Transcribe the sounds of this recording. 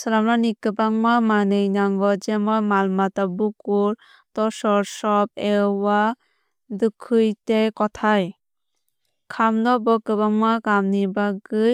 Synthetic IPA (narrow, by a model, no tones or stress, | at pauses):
sɯɾamɾanikɯbaŋmamanɯjnaŋɡɔd͡ʒemɔjmalmatabukuɾ | tɔsɔɾsɔp̚ewa | dukʰɯjtekɔtʰaj | kʰamnɔbɔkɯbaŋmakamnibaɡɯj